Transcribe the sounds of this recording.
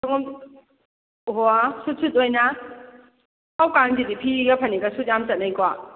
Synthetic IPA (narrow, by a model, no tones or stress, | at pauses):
saŋɔm | ɦoasut̚sʰutojna | awkaŋd͡ʒidipʰiɡapʰɐniɡasut̚jamt͡ʃat̚najkwa